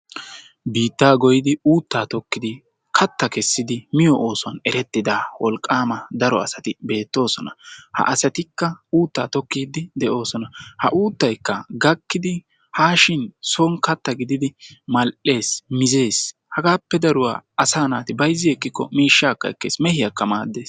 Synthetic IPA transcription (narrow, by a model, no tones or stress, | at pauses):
biːt̪ːaːɡɔjɪd̪ɪuːt̪ːaːt̪ɔkːɪd̪ɪ | kʰɐt̪ːɐkɛsːɪd̪ɪmɪjɔʔoːsʊɐnɛɾɛt̪ːɪd̪aːwɔlkʼːaːmɐd̪ɐɾɔɐ̰sɐt̪ɪbe̞ːt̪ːo̞ːsɔnɐhɐ̰ʔɐsɐt̪ɪkːɐuːt̪ːaːt̪ɔkːiːd̪ɪd̪ɛʔo̞ːsɔnɐhɐ̰ʔuːt̪ːɐjkːɐɡɐkːɪd̪ɪ | haːʃɪnsoːŋkɐt̪ːɐɡɪd̪ɪd̪ɪmɐlʔe̞ːsmɪze̞ːs | hɐɡaːpːɛd̪ɐɾʊwa̰ːɐsaːnaːt̪ɪbɐjzːɪɛkːɪkːɔ̰miːʃːaːkːɐ̰ɛ̰kːe̞̰ːsmɛhɪjɐkːɐmaːd̪ːe̞ːs